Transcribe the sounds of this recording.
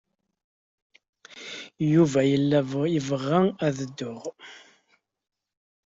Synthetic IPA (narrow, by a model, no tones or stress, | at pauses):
juvæjəlːæjəvəʁːææðəd̪ːʊʁ